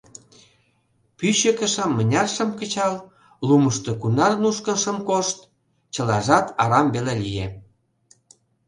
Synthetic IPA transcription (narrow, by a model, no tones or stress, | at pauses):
pyɕə̆kə̆ʃə̆mːə̆nʲɑrʃə̆mkə̆t͡ɕɑl | luməʃt̪okunɑrnuʃkə̆nʃə̆mkoʃt̪̚ | t͡ɕəlɑʒɑt̪ɑɾɑmbelelije